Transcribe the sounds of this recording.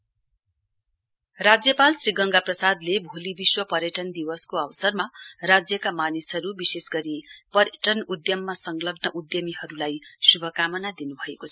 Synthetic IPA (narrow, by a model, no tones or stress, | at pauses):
rad͡zjʌpalsriɡʌŋɡaprʌsad̪lebʱolibiswʌpʌɾjʌʈʌnd̪iwʌskoʌwsʌrmarad͡zjʌkamanisɦʌɾubisesɡʌɾipʌrjʌʈʌnud̪jʌmːasʌŋɡlʌɡnʌʔud̪jʌmiɦʌɾulajsubʱʌkamʌnad̪inubʱʌekot͡sʰʌ